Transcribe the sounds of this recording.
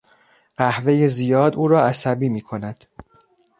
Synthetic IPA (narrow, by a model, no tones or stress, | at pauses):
ɢ̥æhve̞jezijɒːd̪uːɾɒːæsæbiːmiːkʰo̞næd̪̥